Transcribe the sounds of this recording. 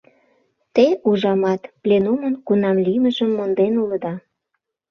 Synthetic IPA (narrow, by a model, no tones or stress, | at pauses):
t̪euʒɑmɑt̪plʲenumənkunɑmliməʒəmːond̪enulə̆d̪ɑ